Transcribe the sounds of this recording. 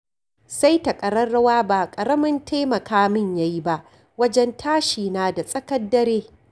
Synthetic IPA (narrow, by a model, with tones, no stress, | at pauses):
sa˦jtɐ˨kʼɐ˨ɾɐː˦ɐ˦waː˦baː˨kʼɐ˨ɾɐ˦mɐ˦ntʰaː˦mɐ˨kaː˦mɪ˦˨ɲja˦ji˦ba˦ʔ | wɐ˦d͡ʒɛ˦ntʰaː˦ʃiː˨naː˦da˨sʼɐ˦kɐ˦dːɐ˦ɾeː˦